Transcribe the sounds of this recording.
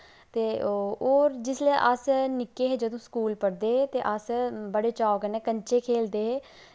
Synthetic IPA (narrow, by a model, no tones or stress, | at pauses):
t̪eːoːɾd͡ʒɪsleʔəsnɪkːeːɦeːd͡ʒəd̪õːskuːlpəɽd̪eːeːt̪eːʔəsbəɽeːt͡ʃaːokəneːkəɲt͡ʃeːkʰeːld̪eːɦeː